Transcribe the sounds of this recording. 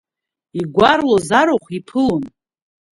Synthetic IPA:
iɡʷarlozaɾoχʷipʰɨlon

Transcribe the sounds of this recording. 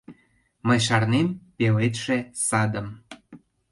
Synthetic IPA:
məjʃ̬ɑrnempelet̪ʃesɑd̪əm

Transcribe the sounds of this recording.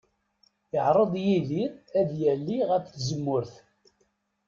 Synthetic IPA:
əʕɾˤəðˤjiðiæðjælːiʁəfθzəmːʊɾθ

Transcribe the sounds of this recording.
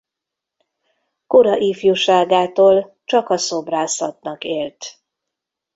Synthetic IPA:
koɾɒʔiːfjuʃaːɡaːt̪oːl | t͡ʃɒkɒsobraːsɒt̪nɒkeːlt̪

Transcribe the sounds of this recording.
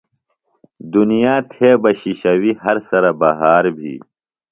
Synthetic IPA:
d̪unijaːt̪ʰeːbɐɕiɕɐwiɦɐɾsɐɾɐbɐɦaːɾbʱḭː

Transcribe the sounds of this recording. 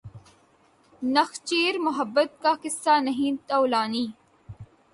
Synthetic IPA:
nɐxt͡ʃeːɾmʊɦəbːət̪̚kaːkɪsːaːnɐɦĩːt̪ɐwlaːniː

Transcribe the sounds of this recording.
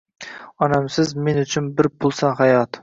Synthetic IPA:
ɒnamsɪzme̞nʊt͡ʃʰɪnbɪɾpʰʊlˠsanɦajɒt̪

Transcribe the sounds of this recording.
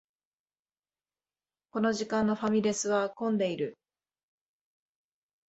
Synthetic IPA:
ko̞no̞ʑikãnːo̞ɸamʲiɾʲe̞sɨβakõ̞nd̪e̞iɾɯ̟

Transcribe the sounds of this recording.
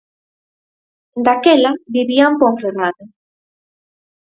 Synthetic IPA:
d̪akɛlabiβiampoɱfeɾnaðʊ

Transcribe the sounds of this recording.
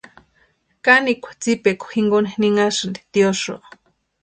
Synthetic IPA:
kanikʷḁt͡sipekʷxiŋɡonehniŋaʃand̪e̥t̪ioʃo̰

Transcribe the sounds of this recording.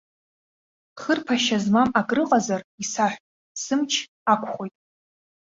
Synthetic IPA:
χərpʰaʃazmamakʼrɨqʼazarisaħʷ | sɨmt͡ʃʰ | akʷʰʼχo̞jtʼ

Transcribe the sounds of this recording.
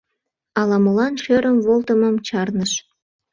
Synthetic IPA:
ɑlɑmolɑnʃøɾəmvolt̪əməmt͡ɕɑrnəʃ

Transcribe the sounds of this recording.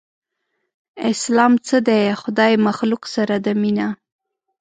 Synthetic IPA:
ɪslɑmt͡səd̪exʊd̪ɑjmaxluksaɾad̪əmina

